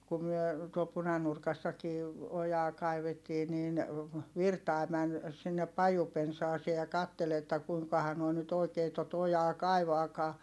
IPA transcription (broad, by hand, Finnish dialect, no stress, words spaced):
ku myø tuol punɑnurkɑsːɑkiː ojɑː kɑiʋetːiː niːn ʋirtɑˑi̯ mæn sinːep pɑjupensɑːseː jɑ kɑtːel etːæ kuiŋkɑhɑ noi nyt oikeː tot ojɑː kɑiʋɑːkɑː